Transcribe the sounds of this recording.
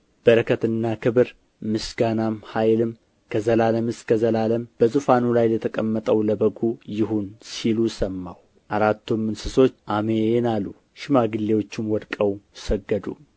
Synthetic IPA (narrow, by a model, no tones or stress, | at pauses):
b̥əɾəkʰət̪ɨnːakʰɨβɨɾ | mɨsɡanamhajlɨm | kʰəzəlaləmɨskʰəzəlaləmb̥əzɨfanulajlət̪ʰəkʼəmːət̪ʼəwləbəɡujɪɦunsilusəmːaw | ʔaɾat̪ːomːɨnsɨso̞t͡ʃːʔamenalːu | ʃɪmaɡɨlːe̞wo̞t͡ʃːɪmwɔd̪kʼəwsəɡːəd̪ṵ